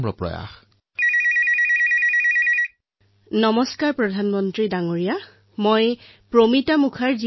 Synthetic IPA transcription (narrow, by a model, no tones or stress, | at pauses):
mɹɔ̰pɹɔ̰ja̰x | nɔmɔskaɹpɹɔdʱanmɔntɹidaŋoɹija | moj | pɹomitamukʰaɹzi